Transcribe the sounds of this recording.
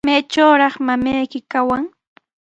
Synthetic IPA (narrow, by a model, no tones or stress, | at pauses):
majt͡ʃawɾɑχmamajkɪkawaŋ